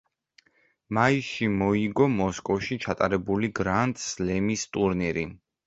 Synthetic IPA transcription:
maisʃimɔiɡɔmɔskʼɔfʃit͡ʃʰat̪ʼaɾɛbuliɡɾant̪ʼslɛmist̪ʼuɾniɾi

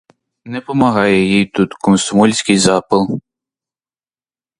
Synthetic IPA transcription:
nɛpɔmɐɦɑjɛjijt̪ut̪kɔnsʊmɔlʲsʲkɪjzɑpɨlˠ

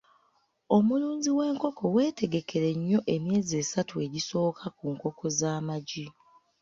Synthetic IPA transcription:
o̞muluːɲziwe̞ːŋko̞kʰo̞we̞ːte̞ɡe̞kʰe̞ɾe̞ɲːo̞ʔe̞mje̞ːze̞ːsatue̞ɟiso̞ːkʰakuŋko̞kʰo̞zaːmaɟi

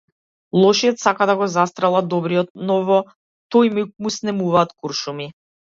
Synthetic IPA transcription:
lˠɔʃiɔt̪sakad̪aɡɔzast̪ɾɛlˠad̪ɔbɾiɔt̪̚nɔvɔ | t̪ojmuk̚musnɛmuvaːt̪kuɾʃumi

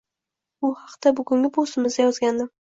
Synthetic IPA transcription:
ʊhɑqt̪abʊɡʲʊŋɡʲɪbʰosɪmɪzd̪ajɒzɡʲand̪ɪ

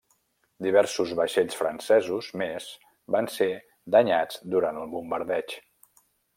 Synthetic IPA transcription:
d̪iβ̞ɛɾsuzβəʃeʎsfɾənsɛzuzmez | banse | d̪əɲad͡zd̪uɾant̪əlˠβumbəɾðɛt͡ʃ

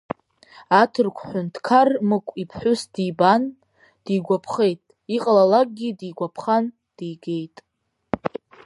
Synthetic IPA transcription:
atʰɨrkʷʰħʷᶣʊntʰkʰarmɨkʷʼipʰħʷᶣʊsdijban | d̥iɡʷapʰχe̞jtʼ | iqʼalalak̚ʼɡʲidiɡʷapʰχan | d̥ijɡe̞jtʼ

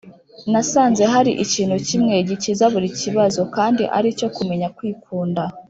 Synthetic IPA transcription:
nasaːnze̞ɦaɾiʔiciːnhucimŋe̞ɟicizaβuɾiciβazo̞kaːndiʔa̰ɾico̞kume̞ɲakwiːkʰuːnda

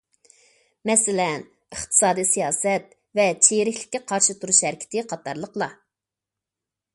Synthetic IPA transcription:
mɛsɪlɛn | ɨχt̪ʰɨ̥sɑːd̪ijsijɑːsɛt̪̚ | vɛt͡ʃʰeɾɪkʲlɪ̥kʲːɛqʰɑɾʃɨt̪ʰuɾuʃhɛɾkʲɪ̥t̪ʰɪqʰɑt̪ʰɑ̰ɾlˠəqlˠɑ

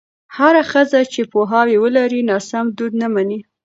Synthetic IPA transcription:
haɾaxəzat͡ʃepoɦɑwewəlaɾinɑsamd̪ud̪namani

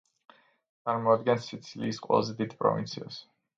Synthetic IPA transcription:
t̪ʼaɾmɔad̪ɡɛnsːit̪sʰiliːsqʼwɛ̰lˠazɛd̪id̪pʼɾɔ̰vḭnt̪sʰia̰s

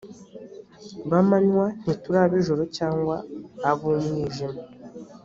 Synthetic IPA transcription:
βamaɲwan̥ituɾaβiʒoɾocaːŋɡwaːβumɲiːʒima

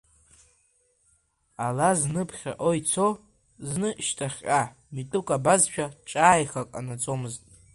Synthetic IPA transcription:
alaznɨpʰχʲa̰ʔojt͡sʰo | znɨʃtʰaχʲʼa | mitʼukʼabazʃᶣʰaʈ͡ʂʼaːjχakʼanat͡sʼo̞mɨztʼ

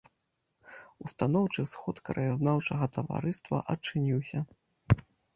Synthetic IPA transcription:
ust̪anɔwt͡ʂɨsxɔt̪kɐɾɐjaznawt͡ʂɐɣɐt̪ɐva̰ɾɨst̪vɐ̰ʔɐt͡ʂɨnʲiwsʲɐ

